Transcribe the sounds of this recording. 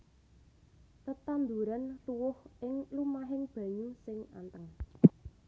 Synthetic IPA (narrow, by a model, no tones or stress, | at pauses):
t̪ət̪and̪uɾant̪uwʊhʔɪŋlumaɦɪŋb̥ä̤ɲusɪŋa̰nt̪əŋ